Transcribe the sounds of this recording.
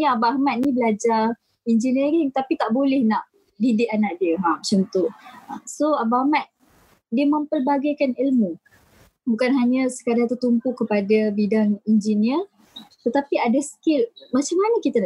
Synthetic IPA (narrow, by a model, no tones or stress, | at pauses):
niabaahmat̪̚nĩbəlad͡ʒar | ind͡ʒiniəɾiŋt̪apit̪aʔbolɛhnaʔ | didɪʔanaʔdiəɦamat͡ʃimt̪usoabaamat̪̚ | diəmə̃mpəlbaɡajkanilmu | bukanɦaɲasə̥kadat̪ət̪umpukəpadabidaŋind͡ʒiniər | t̪ət̪apiadaskɪlmat͡ʃamːanakit̪ana